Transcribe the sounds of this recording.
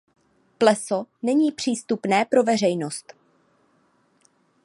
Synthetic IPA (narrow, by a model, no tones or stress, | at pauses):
plɛso̞nɛɲiːpr̝̥iːst̪upnɛːpɾo̞vɛr̝ɛjno̞st̪